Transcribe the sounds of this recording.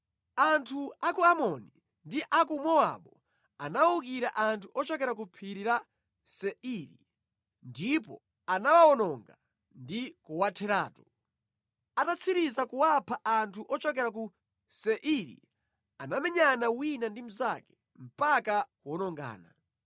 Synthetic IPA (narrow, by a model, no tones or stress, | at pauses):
antʰuakuamɔni | ndiʔakumɔa̰ɓɔ | anaukiɾaʔantʰuʔɔt͡ʃɔkɛɾak̬upʰiɾiɾa | sɛiɾḭ | ndipɔ̰ | anawaɔnɔŋɡa | ndikuwatʰɛɾa̰ːtu | atat͡sʰiɾizakuwapʰaʔantʰuʔɔt͡ʃɔkɛɾaku | sɛʔiɾḭ | anamɛɲanawinandim̩zakɛ̥ | m̩pakakuɔnɔŋɡa̰ːna